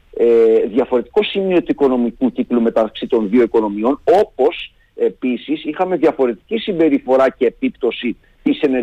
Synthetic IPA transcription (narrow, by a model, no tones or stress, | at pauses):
eðʝɐfo̞ɾe̞t̪i̥ko̞simio̞t̪uiko̞no̞mikuciklume̞t̪ɐksit̪o̞nðio̞iko̞no̞mio̞no̞po̞s | e̞pisisixɐme̞ðʝɐfo̞ɾe̞t̪i̥cisimbe̞ɾifo̞ɾɐce̞ːpipt̪o̞si | t̪ise̞ne̞